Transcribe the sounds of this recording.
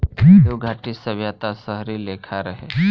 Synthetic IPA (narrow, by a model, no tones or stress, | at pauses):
oɡʱaːʈisəbjat̪asəɦɾileːkʰaɾɐɦḛː